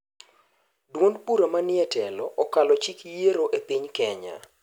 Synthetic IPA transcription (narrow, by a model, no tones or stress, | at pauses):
dwonpuɾamanɪɛtɛlɔʔɔkalɔt͡ʃikjeɾoʔepiɲkɛɲa̰